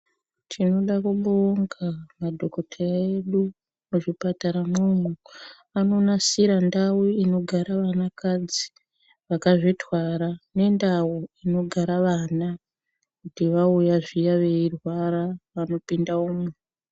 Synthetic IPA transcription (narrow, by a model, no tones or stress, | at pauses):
tʰino̞ɗakuɓoŋɡamadʱo̞ko̞tʰeraeɗu | muʐipataɾamumu | ano̞nasiɾandawuino̞ɡʱaɾaʋanakad͡zi | ʋakaʐitwaɾane̞ndawoino̞ɡʱaɾaʋana | kutiʋaujaʐijaʋe̞irwaɾaʋano̞pindauːmu